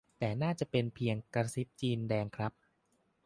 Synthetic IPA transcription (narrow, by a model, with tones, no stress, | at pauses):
t̪ɛː˨˩naː˥˩t͡ɕa˨˩pe˧npʰi˧əŋka˧si˦˥p̚t͡ɕiː˧ndɛː˧ŋkʰɾa˦˥p̚